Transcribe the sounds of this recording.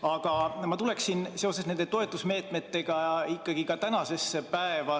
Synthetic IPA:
ɑɡ̥ɑmɑt̪ule̞ksinse̞o̞sesne̞nd̪̥e̞t̪o̞e̞t̪ːˑusme̞ːt̪ˑme̞t̪ːe̞ɡ̥ɑikːˑɑɡ̥ikɑt̪ænɑse̞sepæevɑ

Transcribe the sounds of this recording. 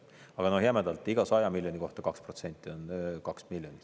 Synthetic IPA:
ɑɡ̥ɑnohjæmæd̪̥ɑlt̪ːˑiɡ̥ɑsɑjɑmilʲjo̞nʲiko̞ht̪ɑkɑksprot̪se̞nʲt̪ʲːˑionkɑksmilʲjoni

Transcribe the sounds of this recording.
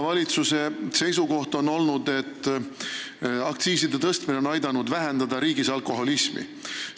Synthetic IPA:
vɑlʲit̪suse̞se̞jsuko̞ht̪o̞no̞lnud̪e̞t̪ː | ɑkt̪siːsid̪e̞t̪ɤst̪mineonɑjd̪ɑnud̪væɦend̪̥ɑd̪ɑɾiːɡisɑlko̞ɦo̞lismḭ

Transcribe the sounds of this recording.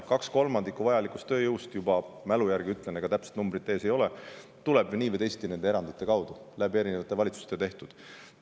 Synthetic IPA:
kɑksko̞lmɑnd̪ikuvɑjɑlikˑu̥st̪ːø̞ːjɤwst̪jubɑmælujærɡ̥iyt̪ːˑleneɡɑt̪æpse̥t̪numbɾit̪ːeːse̞jo̞le | t̪uleb̥vɨniːvəjt̪e̞jst̪ine̞nd̪eeɾɑnd̪̥it̪ˑːe̞kɑwd̪̥ulæbie̞ɾine̞vɑt̪ːˑe̞vɑlit̪su̥st̪et̪e̞ht̪ud̪̥

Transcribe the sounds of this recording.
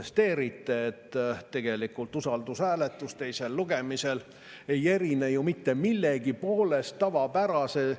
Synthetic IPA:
est̪e̞ːɾit̪ːˑe̞ːt̪ːe̞ɡ̥e̞likult̪usɑld̪usæːle̞t̪ːˑust̪e̞jse̞lːuɡe̞mise̞l | e̞je̞ɾinejumit̪ːe̞milːeɡipo̞ːle̞st̪ːɑvɑpæɾɑse̞

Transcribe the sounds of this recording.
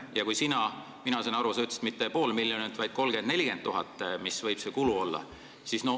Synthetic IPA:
jɑkujsinɑ | minɑsenɑɾuset̪ːst̪mit̪ːe̞po̞ːlmiljonint̪vɑjd̪̥ko̞lɡ̥end̪̥ne̞lʲiɡe̞nt̪ːuɦɑt̪ːˑmisvɤjb̥se̞kuluo̞lːɑ̰ | sisno

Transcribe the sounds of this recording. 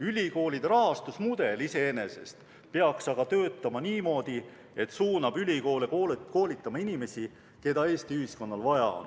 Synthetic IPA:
ylʲiko̞ːlid̪̥ɾɑɦɑst̪usmud̪̥e̞lise̞ene̞se̞̰st̪ | pe̞ɑksɑɡ̥ɑt̪ø̞ːt̪ːˑɑmɑniːmo̞ːd̪̥i | e̞t̪ːsuːnɑb̥ylʲiko̞ːlekoko̞ːlʲit̪ːˑɑmɑinime̞sʲi | ke̞d̪̥ɑe̞ːst̪iyhisko̞nːɑlvɑjɑ̰o̰n

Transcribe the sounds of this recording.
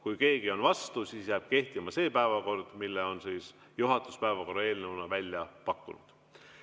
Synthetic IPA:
kujke̞ːɡio̞nvɑst̪usiːsjæːb̥̚ke̞ht̪imɑse̞ːpæevɑko̞rd̪̥milːeo̞nsiːs | juɦɑt̪ˑu̥spæevɑko̞rːɑe̞ːlnewnɑvælʲjɑpɑkːˑunṵd̪̥

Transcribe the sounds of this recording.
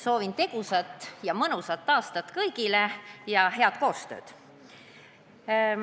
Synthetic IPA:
so̞ːvint̪e̞ɡ̥usɑt̪ːˑjɑmɤnusɑt̪ːˑɑːst̪ɑt̪ːˑkɤjɡilejɑɦe̞ɑd̪̥̚ko̞ːst̪ø̞̰ːd̪̥

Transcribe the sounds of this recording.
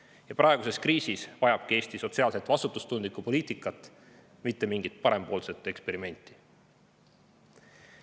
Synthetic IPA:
jɑpɾʔɑeɡ̥use̞skriːsisvɑjɑb̥̚kie̞ːst̪iso̞t̪siɑːlse̞t̪ːˑvɑsut̪ːˑust̪und̪likupo̞liːt̪ˑikˑːɑt̪ːˑ | mit̪ːe̞miŋɡit̪̚pɑɾe̞mpo̞ːlse̞t̪ːˑe̞kspe̞ɾime̞nʲt̪ːˑi̥

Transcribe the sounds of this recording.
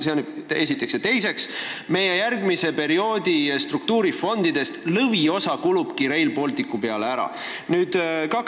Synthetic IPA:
seone̞s̬it̪ːˑekset̪e̞jse̞ksme̞je̞jærɡmise̞pe̞ɾio̞ːd̪̥ist̪ruk̚t̪uːɾifo̞nd̪id̪e̞st̪lɤvio̞sɑkulub̥kiɾe̞jlpo̞lt̪ikːˑupe̞ɑleæɾɑ̰ | nyːd̪̥kɑk

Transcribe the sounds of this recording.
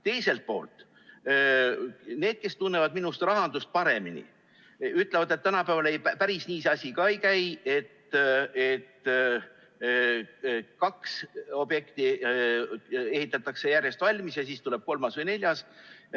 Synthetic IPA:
t̪e̞jse̞lt̪̚po̞ːlt̪ˑ | ne̞ːd̪̥̚ke̞st̪unːe̞vɑd̪minust̪rɑɦɑnd̪̥ust̪̚pɑɾe̞minḭ | yt̪ˑlevɑd̪et̪ːænɑpævɑlejpæɾisniːseɑsʲikɑejkæje̞t̪ːet̪ː | kɑkso̞bje̞kt̪i | e̞ɦhit̪ːˑɑt̪ːˑɑkse̞jærje̞st̪vɑlʲmisjɑsiːst̪ule̞b̥̚ko̞lmɑsvejne̞lʲjɑs

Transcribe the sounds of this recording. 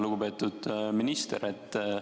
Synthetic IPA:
luɡ̥upe̞ːt̪ud̪̥minist̪eɾet̪ː

